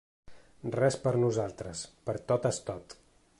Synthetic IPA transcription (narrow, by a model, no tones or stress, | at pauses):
rɛspəɾnuzalˠt̪ɾəspəɾt̪ot̪əst̪ɔt̪